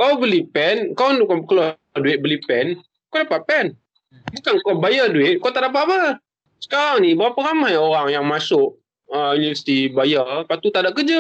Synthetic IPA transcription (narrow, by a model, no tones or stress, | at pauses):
kaabəlipɛnkandukakəla | duɪt̪̚bəlipɛn | kodapaʔ̪̚pɛn | bukankɔbajaduɪt̪̚kowt̪aʔdap̬aba | sə̥kaɾaŋnibɾapaɾamajoɾaŋjaŋmasʊʔ | əunivəsi̥t̪ibajapat̪ut̪aʔdaʔ̚kəd͡ʒa